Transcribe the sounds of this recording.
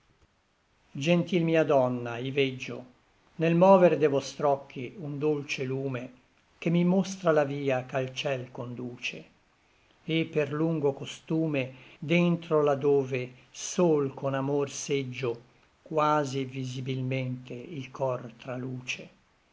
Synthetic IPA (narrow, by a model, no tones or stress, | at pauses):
d͡ʒent̪ilmiːad̪ɔnːaived͡ʒːo̰ | nelmɔːveɾd̪evɔst̪ɾɔkʰːiund̪olt͡ʃeluːme | kemːimost̪ɾalaviːakalt͡ʃɛlkond̪uːt͡ʃe | epːerluŋɡokost̪uːmed̪ent̪ɾolad̪oːvesoːlkʰonamorsed͡ʒːo | kwaːzivizibilment̪eilkʰɔrt̪ɾaluːt͡ʃe